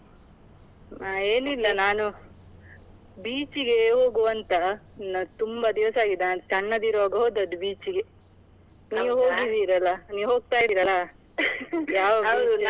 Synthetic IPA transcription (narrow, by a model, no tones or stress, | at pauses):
aeːnilːɐnaːnu | biːt͡ʃiɡe̞ɦo̞ːɡuʋɐnt̪ɐnɐt̪umbɐd̪iʋɐsaːɡid̪enaːnt͡ʃɐɳːɐd̪iːɾʋaːɡɐɦoːd̪ɐd̪ubiːt͡ʃiɡe̞ | niːʋuɦoːɡid̪iːɾɐlːɐniːʋɦoːɡ̚t̪aːjid̪iːɾɐlɐ | jaːʋɐbd̪u